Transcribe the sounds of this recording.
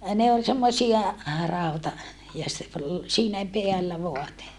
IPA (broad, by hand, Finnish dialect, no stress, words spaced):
ne ol semːosiɑ rɑˑutɑ jɑ se ol siːnæ peælːæ ʋoɑte